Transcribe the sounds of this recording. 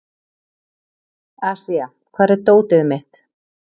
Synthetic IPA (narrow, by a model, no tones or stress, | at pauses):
asia | kʰvaːɾɛɾt̪oːwt̪ɪðmɪht̪